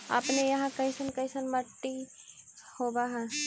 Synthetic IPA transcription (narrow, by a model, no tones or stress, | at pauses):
a̰ːpnejɐɦãkɐɪsənkɐɪsənmɐʈːi | hoːbaɦɛ̃ː